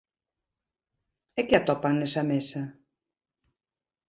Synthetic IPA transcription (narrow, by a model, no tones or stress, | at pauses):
ekeat̪ɔpaŋnesamesa